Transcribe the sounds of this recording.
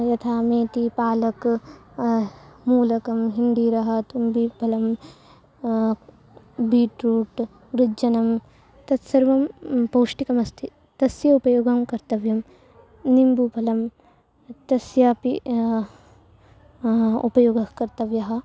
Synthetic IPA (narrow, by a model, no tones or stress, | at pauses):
jɐt̪ʰaːmeːt̪ipaːlɐk | muːlɐkɐmɦind̪iɾɐɦɐt̪umbiːbʱɐlɐm | biːʈɾuːʈ | ɾɪd͡ʒɐnɐm | t̪ɐt̪sɐɾʋɐmpoːʂʈikɐmɐst̪ʰi | t̪ɐsjɐupɐjoːɡɐmkɐɾt̪ɐʋjɐm | nimbubʱɐlɐm | t̪ɐsjaːpi | ṵpɐjoːɡɐkɐɾt̪ɐʋjɐɦɐ̆